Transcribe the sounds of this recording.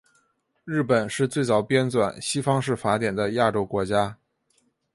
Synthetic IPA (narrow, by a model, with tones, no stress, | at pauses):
ɻɻ̩˥˩pə˨˩nʂɻ̩˥˧t͡swe˥˩ɪt͡sɑ˨˩ʊpjɛ˥nt͡swa˨˩nɕi˥fɑ˥ŋʂɻ̩˥˩fa˧˥t̪jɛ˨˩nd̪ə˦ja˥˩ʈ͡ʂo˥ʊkwɔ˧˥t͡ɕja˥